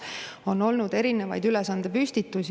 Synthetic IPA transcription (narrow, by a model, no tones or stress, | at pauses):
o̞no̞lnud̪̥e̞ɾine̞vɑ̰jd̪ylesɑnd̪̥e̞pysʲt̪it̪ːˑus